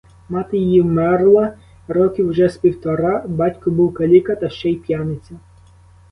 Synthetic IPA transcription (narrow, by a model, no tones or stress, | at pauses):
mɑt̪ɪjɪjiwmɛrlˠɐ | ɾɔkʲiwʒɛspʲiwt̪ɔɾɑbɑtʲkʊbuwkɐlʲikɐt̪ɐʃt͡ʃɛjpjɑnɪt͡sʲɐ